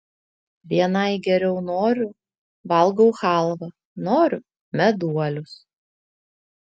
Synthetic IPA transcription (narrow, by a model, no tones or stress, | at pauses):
ʋʲiɛnɐɪɡʲɛɾʲɛʊnoːɾʲʊ | ʋɐlˠɡɔʊxɑˑlˠʋɐ | noːɾʲʊ | mʲɛd̪uɔlʲʊs